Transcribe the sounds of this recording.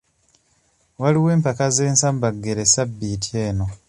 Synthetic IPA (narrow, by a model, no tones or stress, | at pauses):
waliwe̞ːmpakaze̞ːnsambaɡːe̞ɾesabːiːtʰjeːno̞